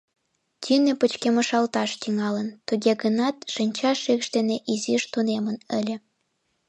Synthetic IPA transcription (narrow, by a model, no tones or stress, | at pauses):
t̪ʲynepət͡ɕkeməʃɑlt̪ɑʃt̪yŋɑlənt̪uɣeɣənɑt̪ʃinʲt͡ɕɑʃikʃd̪eneʔiziʃt̪unemənəlʲĕ